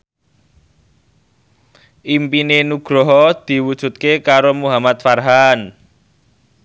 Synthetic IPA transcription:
ʔimpinenuɡ̥ɾɔɦɔd̪̥i̤wud̥ʒ̥ṳt̪̚kekaɾomuɦamat̪farɦan

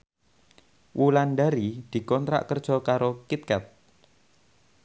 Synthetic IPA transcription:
wʔulanɖaɾid̪̥i̤kɔnt̪ɾa̰ʔkərd̥ʒ̥ɔ̤kaɾokit̪̚kɛt̪̚

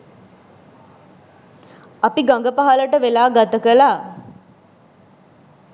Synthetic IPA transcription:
apiɡaŋɡəpaɦaləʈəʋelaːɡat̪əkəlaː

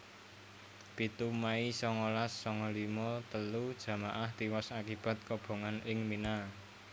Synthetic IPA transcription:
pit̪umaisɔŋɔlasːɔŋɔlimɔt̪əlud̥ʒ̥ä̤maʔaht̪iwɔsakib̥ä̤t̪̚kɔb̥o̤ŋanɪŋmina

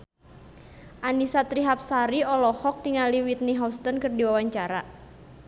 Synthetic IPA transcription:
ʔanisat̪ɾiɦap̚saɾiɔlɔhɔk̚t̪iŋaliwit̪̚niɦɔst̪ɔnkɨrdiwawaɲt͡ʃaɾa

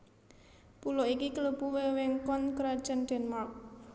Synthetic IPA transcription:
pulɔʔikikələpuwewɪŋkɔnkəɾad̥ʒ̥ənɖ̥ɛ̤nmark̚

